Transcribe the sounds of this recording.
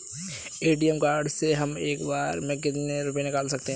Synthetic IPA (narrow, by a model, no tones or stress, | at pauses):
eːʈijəmkaːɾɖseɦɐmeːkbaːɾmɛ̃k̬ɪt̪neɾʊp̬jẽnɪkaːlsɐk̚t̪eɦɛ̃